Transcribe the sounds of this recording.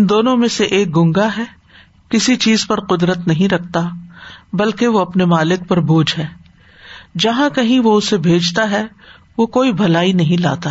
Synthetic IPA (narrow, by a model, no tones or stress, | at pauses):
ɪ̃nd̪oːnõmẽseʔeːk̚ɡʊ̃ŋɡaɦɛː | kɪsit͡ʃiːzpɐɾqʊd̪ɾət̪nɐɦĩɾɐk̚ʰt̪abɐlkeʋoɐpnemaːlɪk̚pɐɾbʱuːd͡ʒɦɛː | d͡ʒɐɦãkɐɦĩʋoʊsebʱeːd͡ʒt̪aɦɛ | ʋokoːibʱɐlaːinɐɦĩla̰ːt̪a